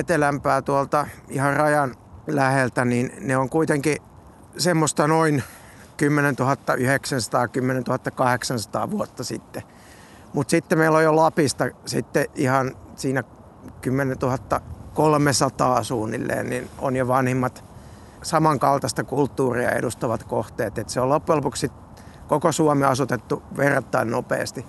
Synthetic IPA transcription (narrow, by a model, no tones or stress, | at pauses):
et̪elæmpæːt̪uolt̪ɑihɑrrɑjɑn | læhelt̪æniːnneoŋkuit̪eŋki | semːost̪ɑnoin | kymːenent̪uhɑt̪ːɑʔyheksænsɑ̥t̪ɑːkymːenent̪uhɑt̪ːɑkɑheksɑnsɑ̥t̪ɑ̰ːʋuot̪ːɑsḭt̪ːe | mut̪sit̪ːemeilːojjolɑpist̪ɑsḭt̪ːeʔihɑnsiːnæ | kymːenent̪uhɑt̪ːɑkolmesɑt̪ɑːsuːnːḭlːḛːnnino̰njoʋɑnhimːɑt̪ | sɑmɑŋkɑlt̪ɑst̪ɑkult̪ːuːriɑ̰ḛdust̪ɑʋɑt̪koht̪eːt̪et̪seolopːuelpukssit̪ | kokosuɑmeɑsut̪et̪ːuʋert̪ːɑinnopḛːst̪i